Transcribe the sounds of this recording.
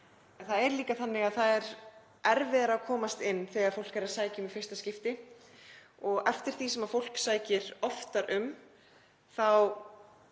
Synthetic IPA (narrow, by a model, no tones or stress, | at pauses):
nθaðɛɾliːkaθanːɪɣaðθaðɛɾ | ʔɛɾvɪðaɾakʰɔːmast̪ɪnːθɛɣaðfowl̥kaɾaðsaːjcɪmifɪr̥st̪ascɪft̪ɪ | ɔɣɛft̪ɪɾ̥θisɛmafowl̥ksaːjcɪɾ̥ɔft̪aɾʔʏm | θaw